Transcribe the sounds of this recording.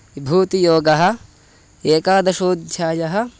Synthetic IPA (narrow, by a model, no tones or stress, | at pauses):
ibʱuːt̪ijoːɡɐɦɐ̆ | eːkaːd̪ɐʃoːd̪ʱjaːjɐɦɐ̆